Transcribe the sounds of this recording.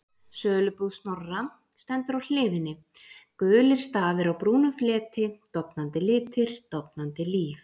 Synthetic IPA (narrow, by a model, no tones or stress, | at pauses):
sœːlʏpuðst̪nɔrːa | st̪ɛnt̪ʏɾawl̥ɪːðɪnːɪ | kœːlɪɾ̥st̪aːvɪɾawpɾuːnʏflɛːt̪ɪt̪ɔwpnant̪ɪlɪːt̪ʰɪɾ̥t̪ɔpnant̪ɪliːf